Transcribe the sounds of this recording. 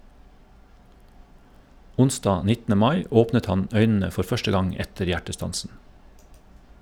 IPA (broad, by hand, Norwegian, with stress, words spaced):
ˈʊnˌsdɑː ˈnɪtn̩ə ˈmɑɪ ˈoːpnət ˈhɑn ˈœʏnn̩ə ˈfɔɾ ˈfœʃtə ˈɡɑŋ ˈɛtəɾ ˈjæʈəˌstɑnsn̩